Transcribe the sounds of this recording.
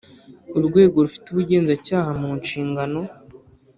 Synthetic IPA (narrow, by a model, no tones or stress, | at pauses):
uɾɡwe̞ːɡo̞ɾufi̥tuβuɟe̞ːnzacaːhamuːnʃiːŋɡano̞